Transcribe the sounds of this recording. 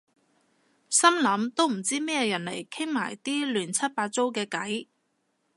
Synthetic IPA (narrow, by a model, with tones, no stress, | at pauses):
sɐ˥mlɐ˨˥mt̪o˥wm̩˨˩t͡siː˥mɛː˥jɛ˧jɐ˨˩nle˨˩jkʰɪ˥ŋma̰ː˨˩jt̪iː˥lyː˨˩nt͡sʰɐ˥t̚paː˧t̚t͡so˥wkɛː˧kɐ˨˥j